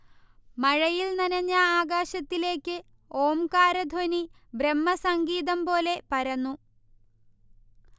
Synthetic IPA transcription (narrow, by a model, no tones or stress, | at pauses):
mɐɻɐjilnɐnɐɲːɐaːɡaːɕɐt̪ːile̞ːkːɨ | o̞ːmkaːɾɐd̪ʱoni | bremːɐsɐŋɡiːðɐmpo̞ːle̞pɐɾɐnːu